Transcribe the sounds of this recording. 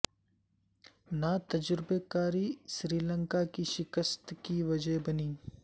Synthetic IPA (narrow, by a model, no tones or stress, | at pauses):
nat̪ɐd͡ʒɾɪbekaːɾiʃɾiːlə̃ŋkakiʃɪkəst̪kiʋɐd͡ʒəɦbɐniː